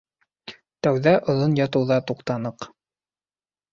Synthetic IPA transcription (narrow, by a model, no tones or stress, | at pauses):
t̪æwðæʔŏðonjɑt̪ɤ̆wðɑt̪uqt̪ɑnɤq